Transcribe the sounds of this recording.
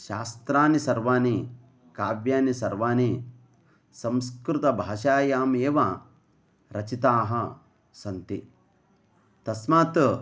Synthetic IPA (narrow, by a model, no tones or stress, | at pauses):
ʃaːst̪ɾaːnisɐɾʋaːni | kaːʋjaːnisɐɾʋaːni | sɐmskɾut̪ɐbʱaːʃaːjaːmeːʋa | ɾɐt͡ʃit̪aːɦɐ | sɐnt̪i | t̪ɐsmaːt̪